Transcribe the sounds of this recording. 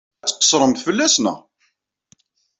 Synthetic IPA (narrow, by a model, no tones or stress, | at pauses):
t͡sːqːə̥sˤɾˤəmθfəlːæsnə̰